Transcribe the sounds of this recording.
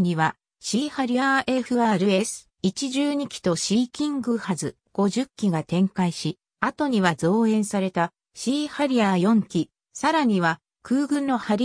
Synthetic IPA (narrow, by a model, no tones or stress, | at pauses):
ɲiβa | ɕiːhaɾʲiaʔe̞ɸɯ̟aːɾɯ̟e̞sɨ̥ | it͡ɕiʑɨːɲ̟ikʲi̥t̪o̞ɕiːkʲĩŋɡɯ̟hazɨ | ɡ̥o̞ʑɨkʲːiɡat̪ẽ̞ŋkaiɕi | at̪o̞ɲ̟iβazo̞ːẽ̞ɰ̃saɾe̞t̪a | ɕiːhaɾʲiajõ̞ŋkʲi | saɾaɲ̟iβa | kɯ̟ːɡɯ̟̃nːo̞haɾʲi